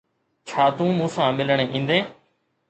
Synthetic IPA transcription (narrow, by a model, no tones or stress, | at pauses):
t͡ʃʰaːt̪ũːmũːsãːmɪlɳ̃eːʔĩːnd̪ẽː